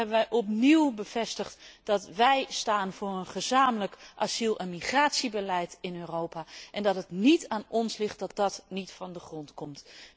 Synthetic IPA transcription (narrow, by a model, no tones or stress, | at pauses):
ɛbənʋɛjʔɔpniwbəv̥ɛstəχtd̥ɑtʋɛjstaːnvʊːrənχəzaːmələkʔazilˠʔɛnmiχraːtsibəlɛjtɪnøːrowpaʔɛndɑtɦətnitaːnɔnslɪχt̚dɑt̚dɑtnitfɑndəχrɔntkɔmt